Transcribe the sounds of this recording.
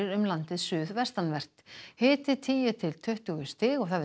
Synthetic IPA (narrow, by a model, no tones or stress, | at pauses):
ɪɾʏmlant̪ɪðsʏːðvɛr̥t̪anvɛr̥t̪hɪːt̪ɪt̪ʰiːjʏt̪ʰɪlt̪ʰœht̪ʏːɣʏst̪ɪːɣɔɣθaðv